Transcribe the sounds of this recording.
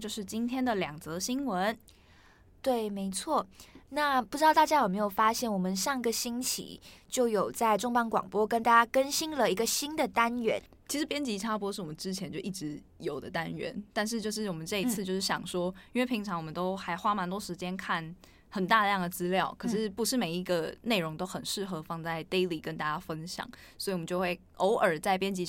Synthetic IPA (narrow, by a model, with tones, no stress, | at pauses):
t͡ɕjo˥˧ʊʂɻ̩˥˩t͡ɕi˥nt̪ʰjɛ˥nd̪ə˨ljɑ˨˩ŋt͡sɤ˧˥ɕi˥ŋwə˧˦n | t̪we˥˩ɪme˧˥ɪt͡sʰwɔ˥˩na˥˩pu˧ʈ͡ʂɻ̩˥t̪ɑ˥˧ʊt̪a˥˧t͡ɕja˥jo˨˩me˧˥ɪjo˨˩ʊfa˥ɕjɛ˥˩nwɔ˨˩mə˦nʂɑ˥˩ŋ˧ɡə˨ɕi˥nt͡ɕʰḭ˨˩˦t͡ɕjo˥˩ʊjo˨˩ʊt͡sa˥˧˩ɪʈ͡ʂʊ˥ŋpɑ˥ŋkwɑ̰˨˩ŋpwɔ˥kə˥nt̪a˥˩t͡ɕja˥kə˥nɕi˥nlə˨i˧˥ɡə˧ɕi˥nd̪ə˨t̪a˥nɥɛ̰˧˥n | t͡ɕʰi˧˥ʂɻ̩˧˥pjɛ˥nt͡ɕi˧˥ʈ͡ʂʰa˥p̬ɔ˥ʂɻ̩˥˩wɔ˨˩mə˦nʈ͡ʂɻ̩˥t͡ɕʰjɛ˧˥nt͡ɕjo˥˧ʊʔi˥˩ʈ͡ʂɻ̩˧˥ | jo˨˩ʊd̪ə̰˦t̪a˦˥nɥɛ̰˧˦˥nt̪a˥˧nʂ̬ɻ̩˥˧t͡ɕjo˥˧ʂɻ̩˥˩wɔ˨˩mə˦nʈ͡ʂɤ˥˧i˧t͡sʰɹ̩˥˧t͡ɕjo˥˧ʊʂɻ̩˥˩ɕjɑ̰˨˩ŋʂwɔ˥i˥nwe˥˩ɪpʰi˧˥ŋʈ͡ʂʰɑ˧˥ŋwɔ˨mə˦nt̪o˥ʊxa˧˥ɪxwa˥ma˧˥nt̪wɔ˥ʂɻ̩˧˥t͡ɕjɛ˥nkʰa˥˩n | xə˨˩nt̪a˥˩də˨˩jɑ˥˩ŋd̪ə˩t͡sɹ̩˥ljɑ˥˩ʊkʰɤ˨˩ʂɻ̩˥˩pu˧˥ʂɻ̩˥˩me˨˩ɪi˧˥ɡə˧ne˥˩ɪɻʊ˧˥ŋt̪o˥ʊxə˨˩nʂɻ̩˥˩xɤ˧˥fɑ˥˧ŋt͡sa˥˩ɪt̪e˥ɪli˨˩kə˦˥nt̪a˥˧t͡ɕja˥fə˦˥nɕjɑ̰˨˩˦ŋ | swɔ˧˥i˨˩wm˧˦t͡ɕo˥˧ʊxwe˥˩ɪʔo˧˥ʊʔə˞˨˩t͡sa˥˩ɪpjɛ˥nt͡ɕi˧˥